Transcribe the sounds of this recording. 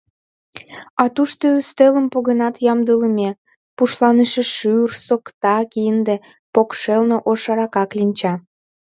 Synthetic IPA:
ɑt̪uʃt̪oyst̪eləmpoɣənɑt̪jɑmd̪ələmʲe | puʃlɑneʃeʃyrsokt̪ɑkiənd̪ĕ | pokʃelnoʔoʃɑɾɑkɑklinʲt͡ɕɑ

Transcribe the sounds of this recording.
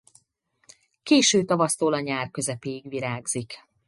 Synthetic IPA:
keːʃøːt̪ɒvɒst̪oːlɒɲaːrkø̞zɛpeːjiɡʋiɾaːɡz̥ik

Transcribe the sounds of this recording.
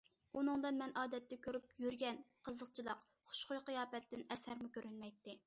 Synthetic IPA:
unɨŋd̪ɨmɛnɑːd̪ɛt̪ːɛkʲʰøɾyp̚jyɾɡʲɛnqʰəzəqt͡ʃʰilˠɑq | χʊ̥ʃqʊjqɨjɑːpɛt̪ːɪnɛsæɾmɪkʲøɾynmɛjt̪ːɪ

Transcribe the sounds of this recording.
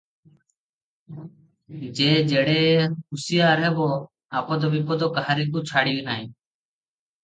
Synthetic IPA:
d͡ʒeːd͡ʒeːɽeːɦʊsɪjaːɾɦɛboː | aːpoːd̪oːbipoːd̪oːkaɦaɾiːkuːt͡ʃʰaːɽiːiːnaːĩː

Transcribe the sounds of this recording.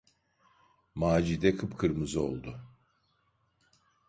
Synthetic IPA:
maːd͡ʒid̪ɛkʰɯpkʰɯɾmɯzɯo̞̰lˠd̪ʊ

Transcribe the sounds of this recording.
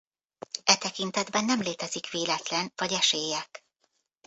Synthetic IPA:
ɛt̪ɛkint̪ɛd̪bɛnːɛmleːt̪ɛzikʋeːlɛt̪lɛnvɒɟɛʃeːjːɛk

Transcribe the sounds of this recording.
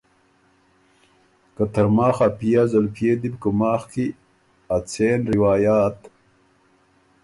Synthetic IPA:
kɐt̪ɐɾmaːxaːpijazɐlpʰjeːd̪ibkumaːxki | at͡sʰeːnɾiwaːjaːt̪

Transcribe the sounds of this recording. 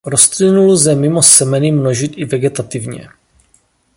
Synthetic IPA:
ɾost̪lɪnuluzɛmɪmo̞sɛmɛnimno̞ʒɪt̪ɪvɛɡɛt̪at̪ɪvɲɛ̰

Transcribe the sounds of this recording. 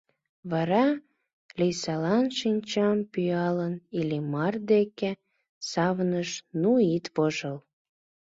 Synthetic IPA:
βɑɾɑ | lijsɑlɑnʃinʲt͡ɕɑmpyɑlənilimɑrd̪eke | sɑβnəʃnuit̪βoʒəl

